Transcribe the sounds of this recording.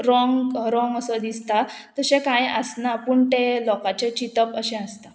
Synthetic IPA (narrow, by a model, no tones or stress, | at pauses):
ɾɔŋɡɾɔ̃ŋɡəsəd̪ist̪at̪əɕẽkãjəsnapuɳt̪elɔkat͡ɕet͡ɕit̪əpəɕẽəst̪a